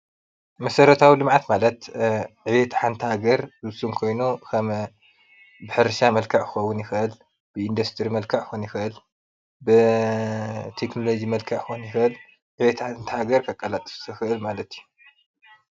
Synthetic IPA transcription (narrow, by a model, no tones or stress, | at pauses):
mɐsɐɾɐt̪ʰawilɨmʕat̪malɐt̪ʕɨβet̪ʰħant̪ʰɨhaɡɐɾzɨsumkʰo̞jnukʰɐm | bɨħɨɾʃamɐlkʰɐʕkʰɨ̥xɐwːʊnjɪxɨʔɨl | b̥ɨind̪ɐst̪ʰɨɾimɐlkʰaʕxonjɪxɨʔɨl | bɨ | t̪ʰeknolo̞d͡ʒimɐlkʰaʕxunjɪxɨʔɨl | ʕɨβet̪ʰħant̪ʰɨhaɡɐɾkʰɐkʼalat̪ʼɨ̥ssɨxɨʔɨlmalɐt̪ʰju